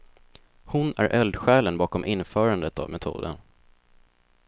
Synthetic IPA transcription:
hʊnæ̰ɾʔɛld̪ɧɛːlənbɑːkɔmʔɪnːfœːɾand̪ət̪a̰vmʔɛt̪ʰṵːd̪ə̰n

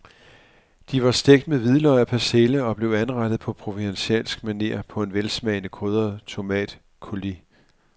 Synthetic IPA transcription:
d̥iʋɑ̈sd̥eɡ̥̚d̥̚meðˠʋiðˠlɒɪæpʰæseləɒ̽b̥le̝ʊænʁɑɾ̥ð̩ˠpʰɒ̽pʰʁo̝ʋidenɕɛ̰ːnsɡ̥mæne̝̰ːɐpʰɒ̽e̝nʋelsmɛɪnəkʰʁøðˠɐð̩ˠt͡sʰo̝mɛ̰ːd̥ | kʰo̝li

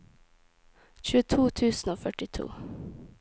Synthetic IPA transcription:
ɕʉːət̪ʰuːt̪ʰʉːsnoːfœʈɪt̪ʰṵː

